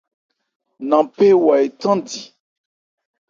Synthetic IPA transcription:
nã˨pe˦wa˨e˨tã˦di˨

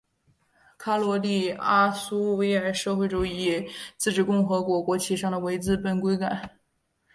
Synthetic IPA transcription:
kʰa˥lwɔ˧˥li˥˩a˥su˥we˥ɪə˞˧˥ʂɤ˥˧xwe˥˩ɪʈ͡ʂu˨˩i˥˩t͡sɹ̩˥˩ʈ͡ʂɻ̩˨˩kʊ˥˩ŋxɤ˧˥kwɔ˧˥kwɔ˧˥t͡ɕʰi˥ʂɑ˥˩ŋd̪ə˩we˧˥ɪt͡sɹ̩˥˧pə˥˩nkwe˥ɪka˨˩˦n

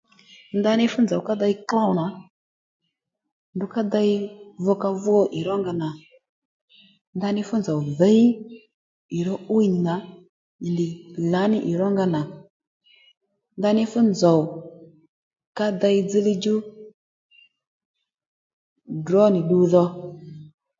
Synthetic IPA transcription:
nda˧nɪ˧fʊ˦nd͡zɔ˨wka˦da˧i˦kla˦wna˨˦ | ndʊ˨ka˦da˧ɪ˦vɔ˦ka˧vu˦ɔ˦ʔɪ˨ɾɔ˦ŋɡa˧na˨ | nda˧nɪ˧fʊ˦nd͡zɔ˨wðə˨˦i˦ | ɪ˨ɾɔ˦u˦i˨n˨na˨˦˨ | ndɪ˨la˨˦nɪ˦ʔɪ˨ɾɔ˦ŋɡa˧na˨ | nda˧˦nɪ˦fʊ˦nd͡zɔ˨w | ka˦da˧ɪ˧˦d͡zɨ˦li˦d͡ʒu˦ | drɔ˦nɪ˨ɗu˨˧ðɔ˧

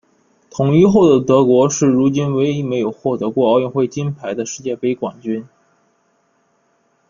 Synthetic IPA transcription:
t̪ʰʊ˨˩ŋi˥xo˥˩ʊd̪ə˩t̪ɤ˧˥kwɔ˧˥ʂɻ̩˥˩ɻu˧˥t͡ɕi˥nwe˧˥ɪi˧˥me˧˥ɪjo˨˩ʊxwɔ˥˩t̪ɤ˧˥kwɔ˥˧ɑ˥˧ʊɥɛ˥˧nxwe˥˩ɪt͡ɕi˥npʰa˧˥ɪd̪ə˧ʂɻ̩˥˧t͡ɕjɛ˥˩pe˧˥ɪkwa˨˩nt͡ɕy˥n

